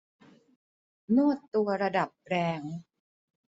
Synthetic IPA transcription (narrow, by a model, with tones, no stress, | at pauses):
nu˥˩ət̪ːu˧ɐɾa˧da˨˩p̚ɾɛː˧ŋ